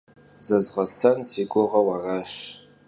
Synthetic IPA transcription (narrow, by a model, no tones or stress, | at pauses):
zɐzʁɐsɐnsiɡʷʊʁɐwaraʃ